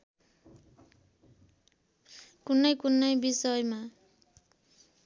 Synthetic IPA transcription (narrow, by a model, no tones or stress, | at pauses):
kunːʌjkunːʌjbisʌjma